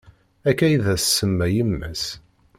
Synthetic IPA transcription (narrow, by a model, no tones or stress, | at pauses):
ækæjðæsːəmːæjəmːæ̰s